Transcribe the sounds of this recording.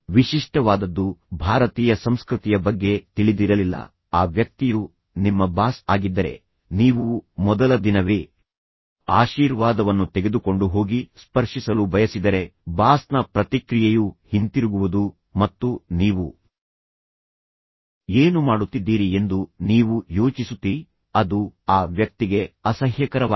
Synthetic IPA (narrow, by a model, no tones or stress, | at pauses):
ʋiʃiʂʈɐʋaːd̪ɐd̪ːubʱaːɾɐt̪iːjɐsɐmskɾut̪ijɐbɐɡːe̞t̪iɭid̪iɾɐlilːɐ̰ | aːʋjɐk̚t̪iju | nimːɐbaːsaːɡid̪ːɐɾe̞̰ | niːʋumɔd̪ɐlɐd̪inɐʋeː | aːʃiːɾʋaːd̪ɐʋɐnːut̪eɡe̞d̪uko̞ɳɖuɦo̞ːɡispɐɾʂisɐlubʱɐjɐsid̪ɐɾe̞baːsnɐpɾɐt̪ikɾijejuhint̪iɾuɡuʋud̪u | mɐt̪ːuniːʋu | eːnumaːɽut̪ːid̪ːiːɾie̞nd̪uniːʋujo̞ːt͡ʃisut̪ːi | ɐd̪uaːʋjɐk̚t̪iɡe̞ɐsɐɦjɐkɐɾɐʋ